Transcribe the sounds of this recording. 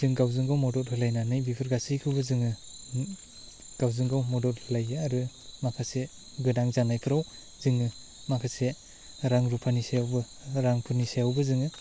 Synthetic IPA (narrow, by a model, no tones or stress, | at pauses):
zɯŋɡawzɯŋɡawmɔdɔt̚ɯlajnanɯjbipʰɯɾɡasijkʰɯwbɯzɯŋɯ | ɡ̥awzɯŋɡawmɔdɔt̚hɯlajɯaɾɯ | mapʰase | ɡɯdaŋzanajpʰɯɾaw | zɯŋɯ | mapʰase | ɾaŋɾupʰanisajawbɯ | ɾaŋpʰɯɾnisajawbɯzɯŋɯ